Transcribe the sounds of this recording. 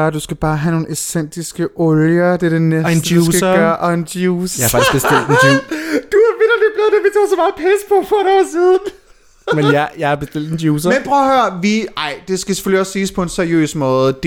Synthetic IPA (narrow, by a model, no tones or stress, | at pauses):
ɐd̥usɡ̥æb̥ɑ̈ːɦæno̝ːnesen̰d̥isɡ̥əʔɔljɐd̥e̝ɐd̥e̝nedn̥əj̥dusɡ̥ɡɶːɐɐʔɒend̥juːsjaæɐfɑ̥̈d̥i̥sɡ̥b̥esd̥el̰d̥end̥uæʋeɾɐdeb̥leðˠd̥eʋit͡sʰo̰ːsɒ̽m̥ɑ̈ːpʰɛspʰɒ̽fɒeɾɒːsið̞ˠn̩ | menjjɑ̈ɪhæb̥esd̥el̰d̥end̥juːs̬ɐmenpʰʁœːɐhøːɐʋiɑ̈ɪ̰d̥e̝sɡ̥æse̥føl̰iɒ̽sːiːspʰɒ̽e̝nsæɐijø̰ːsmɔ̽ːð̩ˠd̥